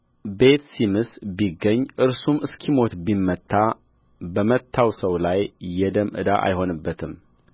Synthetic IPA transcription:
be̞t̪simɨsbiɡːəɲːʔɨɾsumɨskʰimo̞t̪bimːət̪ʰːa | bəmət̪ʰːawsəwlajːɛd̪əmʔɨ̰d̪aʔa̰jho̞nɨbːət̪ʰɨm

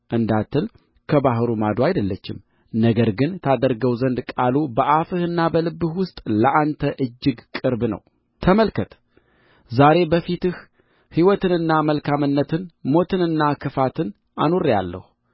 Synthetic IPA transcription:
ʔɨnd̪at̪ʰːɨl | kʰəbaɦɨɾumad̪oajd̪əlːət͡ʃːɪ̰m | nəɡəɾɡɨnt̪ʰad̪əɾɡəwzənd̪kʼalubəʔafɨhɨnːabəlɨbːɨhwʊst̪ʼləʔant̪ʰəʔɨd͡ʒːɨɡkʼɨɾbnə̰w | t̪ʰəməlkʰət̪ | zaɾe̞bəfit̪ɨh | hiwɔt̪ɨnɨnːaməlkʰamɨnːət̪ʰɨnmo̞t̪ʰɨnɨnːakʰɨfat̪ʰɨn | ʔa̰noɾja̰lːə̰h

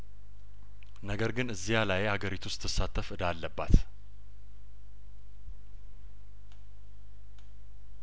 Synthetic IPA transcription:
nəɡəɾɡɨnɨzːijalajhaɡəɾit̪ʰust̪ʰːɨsːat̪ʰːəfɨnd̪alːəbːat̪

